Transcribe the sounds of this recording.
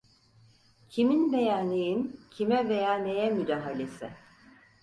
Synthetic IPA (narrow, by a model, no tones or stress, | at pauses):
cʰiminbe̞jaːnejincʰimɛvejaːnejɛmyd̪aːɦalʲesɪ